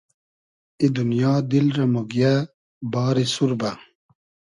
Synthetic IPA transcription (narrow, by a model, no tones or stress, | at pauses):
id̪unjaːd̪ilɾɐmoɡija | baːɾisuɾbɐ